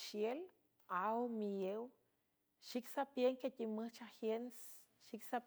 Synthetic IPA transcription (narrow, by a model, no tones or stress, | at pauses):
ʃjel | awmijew | ʃiksapjeŋkʲacʲʼimɨht͡ʃahjens | ʃiksap